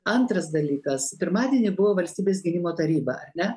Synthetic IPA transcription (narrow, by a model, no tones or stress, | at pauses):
ɐnt̪ɾɐsd̪ɐlʲiːkɐspʲɪɾmɑːd̪ʲiɛnʲɪbʊʋoːʋɐlʲsʲt̪ʲiːbʲeːs̬ɡʲɪnʲɪmoːt̪ɐɾʲiːbɐɐɾʲnʲɛ